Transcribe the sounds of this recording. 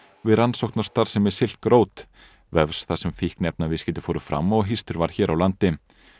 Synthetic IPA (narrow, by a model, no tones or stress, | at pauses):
vɪðɾansowht̪nawst̪aɾsɛmːɪsɪl̥kɾoːwt̪ | vɛv̥sθasɛmfihknɛp̚navɪðscɛːt̪ɪ̥foːwɾʏ̥fɾa̰mːɔɣɦist̪ʏɾvaɾ̥çɛːɾʔawlant̪ɪ